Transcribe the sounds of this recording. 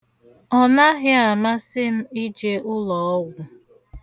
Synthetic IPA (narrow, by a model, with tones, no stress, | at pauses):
ɔ˦na˦ɦɪ˦a˨ma˦sɪ˦m̩˦i˦d͡ʒe˦ʔʊ˦lɔ˨ɔ˦ɡʷʊ˨